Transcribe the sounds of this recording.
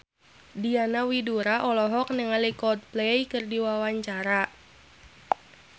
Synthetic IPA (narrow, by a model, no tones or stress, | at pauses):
dianawiduɾaʔɔlɔɦɔk̚nəŋalikɔt̪̚plejkɨrdiwawaɲt͡ʃaɾa